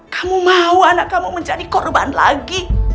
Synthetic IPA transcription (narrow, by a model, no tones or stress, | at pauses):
kamumauanaʔkamuməɲd͡ʒadikɔrba̰nla̰ɡi